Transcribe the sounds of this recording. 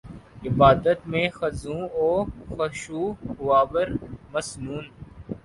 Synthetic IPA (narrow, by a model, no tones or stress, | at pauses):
ɪbaːd̪ət̪mẽxɐzũːoːxɐʃuːhʊaːʋəɾmɐsnuːn